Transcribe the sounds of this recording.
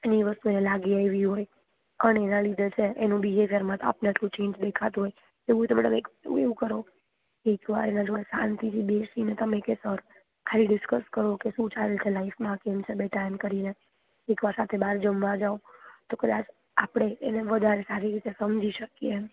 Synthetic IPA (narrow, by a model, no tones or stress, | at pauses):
eniʋəst̪uenelaɡiaeʋiɦoj | ənenãlid̪ʱt͡ʃʰeenũbiɦefəɾmãt̪a̰pnəʈ̪ʰũt͡ʃẽɲd͡ʒd̪ekʰat̪ũɦoj | eʋũt̪əmeəmekeṵ̃eʋũkəɾo | keekʋa̰ɾenãd͡ʒoɽesãnt̪ʰit̪ʰibesinet̪əmẽkesəɾ | kʰaliɖɪskəskəɾokesũt͡ʃaɾelt͡ʃʰelaifmãkemt͡ʃʰebeʈamkəɾine | ekʋaɾsat̪ʰebaɾd͡ʒəmʋãd͡ʒaõt̪okəd̪at͡ʃ | apɽ̃eːneʋəd̪ʱaɾesaɾiɾit̪esəmd͡ʒʱiʃəkje